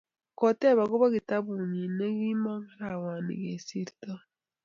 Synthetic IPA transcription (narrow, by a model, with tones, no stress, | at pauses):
ko˨te˦βa˨ɡo˦βa˦ɣi˨ta˦βu˨ɲi˨ne˦ɡi˦ma˦ŋka˦ɾa˨waː˨nḭ˨ɡe˨si˦ɾita˦